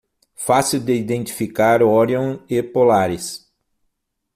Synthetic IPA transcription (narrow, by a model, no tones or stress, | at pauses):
fasiwd̪eid̪ẽnt̪i̥fikaɾɔɾjõepolaɾɪs